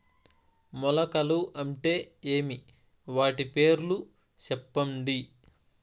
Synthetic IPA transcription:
mɔlɐkɐluʔɐɳʈe̞ːeːmi | ʋaːʈipe̞ːɾlu | t͡ʃɛpːɐɳɖi

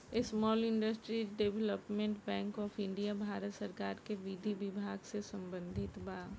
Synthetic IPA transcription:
ɪsmɔːlɪ̃ɳɖəsʈɾiɖeʋləpmẽɳʈbɛ̃ːŋkɔːfɪ̃ɳɖijabʱaːɾət̪səɾkaːɾkeʋid̪ʱibɪbʱaːɡsesɐ̃mbə̃nd̪ʱɪt̪baː

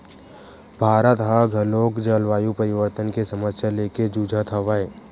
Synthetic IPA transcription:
bʱaːɾət̪ɦaɡʱɐloːkd͡ʒəlʋaːjupəɾɪʋəɾt̪ənkesəməsjaleːked͡ʒuːd͡ʒʱət̪ʰɐʋaeː

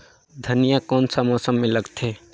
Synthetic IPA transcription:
d̪ʱənijakɔːnsəmɔsəmːeləɡt̪ʰe

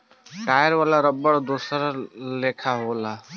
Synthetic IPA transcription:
ʈaːjəɾʋaːlaɾəbːəɽd̪oːsəɾleːkʰaɦoːla

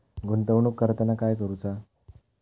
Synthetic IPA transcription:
ɡʱunt̪əwnukːəɾt̪ənakajkəɾut͡sa

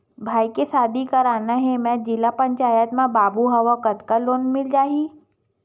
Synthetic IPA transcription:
bʱaːikesaːd̪ʱikɐɾaːnaɦɛmɛ̃d͡ʒɪlapə̃ɲt͡ʃaːjət̪mãbaːbuɦɐʋakət̪kaloːnmɪld͡ʒaːɦi

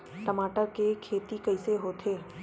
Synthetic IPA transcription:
ʈɐmaːʈəɾkekʰeːt̪ikɐɪseɦoːt̪ʰeː

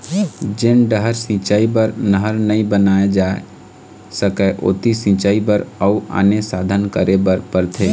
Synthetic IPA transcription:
d͡ʒɪnɖəɦəɾsĩt͡ʃaːibəɾnəɦəɾnəĩbənaːed͡ʒaːe | səkɛʔʊ̰ːt̪isĩt͡ʃaːibəɾəʊa̰ːnesaːd̪ʱənkəɾebəɾpəɾt̪ʰeː

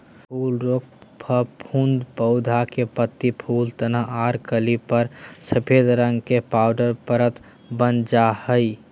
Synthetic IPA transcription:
pʰuːlɾoːk̚pʰəpʰũːnd̪pəʊd̪ʱakepət̪ːipʰuːlt̪ənəɦaːɾkəlipəɾsəpʰed̪ɾə̃ŋɡkepaːʊɖəɾpəɾət̪ | bənd͡ʒahəi

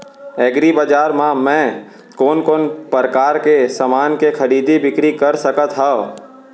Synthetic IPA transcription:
ɛːɡɾibəd͡ʒaːɾmãmɛ̃ː | koːnkoːnpəɾkaːɾkesɐmaːnkekʰɐɾiːd̪ibɪkɾikɐɾsəkət̪ɦaː

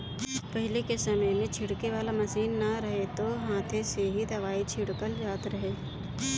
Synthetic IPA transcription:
pɐɦɪlekesɐməjmẽt͡ʃʰɪɽkeʋaːlamɐsiːnːɐɾɐɦet̪oɦãːt̪ʰeseɦid̪ɐʋaːit͡ʃʰɪɽkəld͡ʒaːt̪ɾɐɦeː

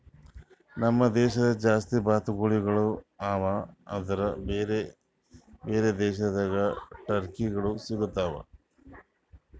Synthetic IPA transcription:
nɐmːɐd̪ɛːʃɐd̪ɐd͡ʒaːst̪ibaːt̪uɡuɭiɡɐɭuaːʋɐɐ̰d̪ɐɾɐbeɾe | beːɾed̪ɛːʃɐd̪ɐɡɐʈɐɾkiɡɐɭusiɡut̪ːaːʋɐ̰

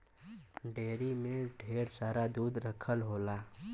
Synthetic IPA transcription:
ɖeːɾimẽɖʱeːɾsaːɾad̪uːd̪ɾəkʰəlɦoːlaː

